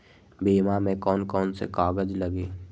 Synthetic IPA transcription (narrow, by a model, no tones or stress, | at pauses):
biːmamẽkɔːnkɔːnsḛkaːɡəd͡ʒləɡiː